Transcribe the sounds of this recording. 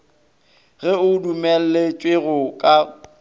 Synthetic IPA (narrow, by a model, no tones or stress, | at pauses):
ɣɛʊdumɛl̩lɪt͡ʃʼwɪɣʊkʼa